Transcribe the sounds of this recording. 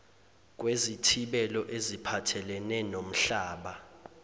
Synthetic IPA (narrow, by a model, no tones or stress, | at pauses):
k̬ʼwezitʰiɓɛlɔʔezipʰatʰɛlɛnɛnom̩ɬaːɓa